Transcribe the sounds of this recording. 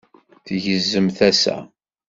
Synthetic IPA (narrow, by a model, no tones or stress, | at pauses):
θʝəzːəmθæsæ̰